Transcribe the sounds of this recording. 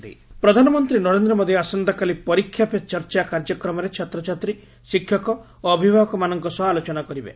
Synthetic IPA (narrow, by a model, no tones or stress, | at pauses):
ipɾɔd̪ʱanɔmɔnt̪ɾinɔɾend̪ɾɔmɔd̪ʱjɔasɔnd̪akalipɔɾikʰːjapet͡ʃɔɾt͡ʃakaɾd͡ʒɔkɾɔmɔɾet͡ʃʰat̪ɾɔt͡ʃat̪ɾi | sikʰjɔkɔ | oːbʱibʱaɦɔkɔmanɔŋkɔsɔːlot͡ʃɔnakɔɾibḛ